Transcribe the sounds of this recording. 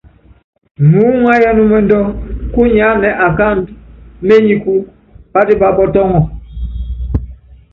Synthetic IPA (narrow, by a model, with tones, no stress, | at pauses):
nu˨˦ŋa˦ja˦nu˦mɛ˨ndɔ˦ku˦ɲa˨˦nɛ˨ʔa˨ka˦˨ndme˦ɲi˨ku˦ | b̥a˦di˦ba˨bɔ˦tɔ˦ŋɔ˨